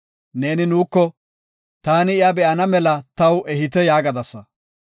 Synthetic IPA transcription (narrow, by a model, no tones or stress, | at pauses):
ne̞ːnɪnuːkːɔ | t̪aːnɪɪjɐbɛʔɐnɐmɛlɐt̪ɐwɛɦɪt̪̬ɛjaːɡɐd̪ɐsːɐ